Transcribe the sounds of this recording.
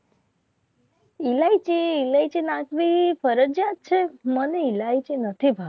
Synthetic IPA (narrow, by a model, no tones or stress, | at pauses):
ilait͡ʃeilait͡ʃenakʋifəɾəd͡ʒjat̪̚t͡ʃʰeməneilait͡ʃenət̪ʰibʱa